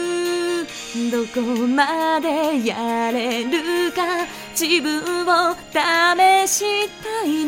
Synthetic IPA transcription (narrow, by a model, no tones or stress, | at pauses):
d̪okomad̪e̞jaɾe̞ɾɯka | d͡ʑibɯ̃ɰ̃od̪̥ame̞ɕit̪ain